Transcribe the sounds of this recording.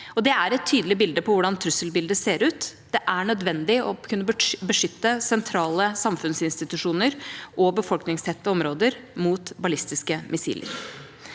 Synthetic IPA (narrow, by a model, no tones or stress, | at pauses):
ɔd̪ɛæɾɛt̪ʰːyːd̪əlɪbɪld̪əpʰɔʋʊɖɑnt̪ʰɾʉsəlbɪld̪əseːɾʉːt̪d̪̥ɛʔæɳœd̪ʋɛnd̪ɪɔkʰʉnːəbbəʂʏt̪ːəsɛnt̪ʰɾɑːləsɑmfʉnsɪnst̪ɪt̪ʉʂuːnəɾʔɔbəfɔlknɪŋst̪ʰɛt̪ːəɔmɾoːd̪əɾmuːt̪bɑlɪst̪ɪskəmʔɪsḭːlə̰ɾ